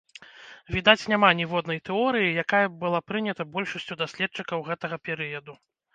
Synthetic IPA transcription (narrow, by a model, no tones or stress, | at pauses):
vʲid̪at͡sʲnʲamanʲivɔd̪nɐjt̪ɛɔɾɨjijakajɐbɨlˠapɾɨnʲɐt̪ɐbɔlʲʂɐsʲt͡sʲud̪asʲlʲɛt̪̚t͡ʂɨkɐwɣɛt̪ɐɣɐpʲɛɾɨjɐd̪u